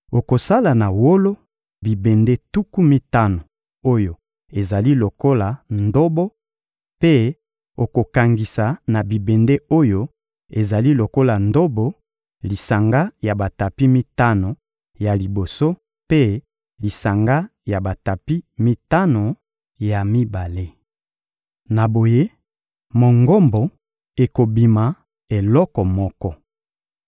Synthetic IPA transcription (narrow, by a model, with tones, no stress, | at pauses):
o˨ko˨sa˦la˨na˨wo˦lo˦ | bi˨be˨nde˦tu˦ku˦mi˦ta˦no˨ | o˦jo˨ | e˨za˨li˦lo˨ko˦la˨ndo˦bo˦ | pe˦ | o˨ko˨ka˨ŋɡi˨sa˨na˨bi˨be˨nde˦o˦jo˦ | e˨za˨li˦lo˨ko˦la˨ndo˦bo˦ | li˨sa˨ŋɡa˦ja˨ba˨ta˨pi˦mi˦ta˦no˨ | ja˨li˨bo˨so˦ | pe˦ | li˨sa˨ŋɡa˦ja˨ba˨ta˨pi˦mi˦ta˦no˨ | ja˨mi˦ba˨le˦ | na˨bo˨je˦ | mo˨ŋɡo˦mbo˨ | e˨ko˨bi˨ma˨ | e˨lɔ˦kɔ˨mɔ˦kɔ˦